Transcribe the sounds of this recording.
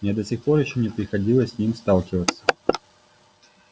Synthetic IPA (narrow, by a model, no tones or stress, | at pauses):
mnʲɛd̪ɐsʲixpɔrjaɕɔnʲɛpɾʲɪxad͡zʲilˠɐsʲsʲnʲimʲst̪alˠkʲivət̪sːɐ̥